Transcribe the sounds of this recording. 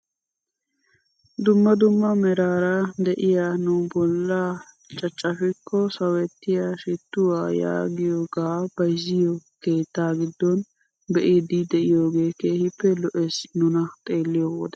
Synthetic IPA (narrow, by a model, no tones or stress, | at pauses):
d̪ʊmːɐd̪ʊmːɐmɛɾaːɾɐd̪ɛʔɪjaːnʊbɔlːa | t͡ʃʼɐt͡ʃʼːɐfɪkːɔsɐwɛt̪ːɪjaʃɪt̪ːʊwaːja̰ːɡɪjoːɡaːb̥ɐjzɪjɔke̞ːt̪ːaːɡɪd̪ːɔn | bɛʔid̪ɪd̪ɛʔɪjoːɡe̞ːkeːhɪpːɛlɔʔɛsnʊnɐt̪ʼe̞ːlːɪjɔwo̰ːd̪ɛ